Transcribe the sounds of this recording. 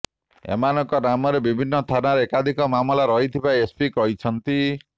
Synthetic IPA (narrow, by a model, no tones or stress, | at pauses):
ḛmanɔŋkɔnamɔɾebibʱinːɔst̪ʰanaɾeekad̪ʱikɔmamɔlaɾɔɦit̪ʰibajespikɔɦit͡ʃʰɔnt̪i